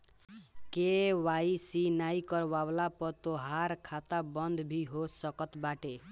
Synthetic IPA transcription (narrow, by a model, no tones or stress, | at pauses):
kewajsinaikɔɾbawlapɔt̪oɦaɾkʰat̪abɔnd̪ʱbʱiɦosɔkɔt̪baʈe